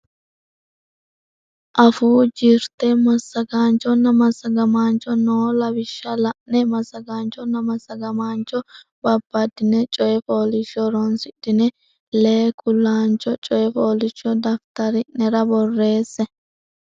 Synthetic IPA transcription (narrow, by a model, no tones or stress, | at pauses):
ʔɐfuːd͡ʒɪɾt̪ɛmɐsːɐɡaːnt͡ʃːɔnːɐmɐsːɐɡɐmaːnt͡ʃːɔnoːlɐbɪʃːɐlɐʔnɛmɐsɐɡaːnt͡ʃːɔnɐmɐsɐɡɐmaːnt͡ʃːɔ | bɐbːɐd̪ɪnɛt͡ʃʼɔjɛfoːlɪʃɔɾɔnsɪɗɪnɛ | leːkʰʼʊlːaːnt͡ʃʼɔt͡ʃʼɔjɛfoːlɪt͡ʃːɔd̪ɐft̪ɐɾɪʔnɛɾɐbɔrːe̞ːsːɛ